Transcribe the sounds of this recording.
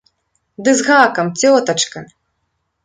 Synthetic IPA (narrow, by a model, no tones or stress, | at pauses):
d̪ɨzɣakɐmt͡sʲɔt̪ɐt͡ʂkɐ